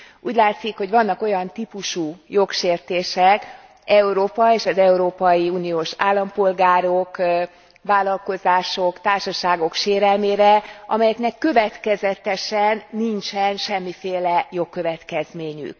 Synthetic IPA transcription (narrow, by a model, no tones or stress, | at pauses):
uːɟlaːt̪sikho̞ɟvɒnːɒko̞jɒnt̪ipuʃujo̞kʃeːrt̪eːʃɛk | ɛuɾoːpɒeːʃɒzɛuɾoːpɒjiuːnijoːʃaːlːɒmpo̞lɡaːɾo̞k | vaːlɒlko̞zaːʃo̞kt̪aːrʃɒʃaːɡo̞kʃeːɾɛlmeːɾɛʔɒ̰mɛjɛknɛkːø̞vɛt̪kɛzɛt̪ɛʃɛnːint͡ʃɛnʃɛmːifeːlɛjo̞kːø̞vɛt̪kɛzmeːɲy̰k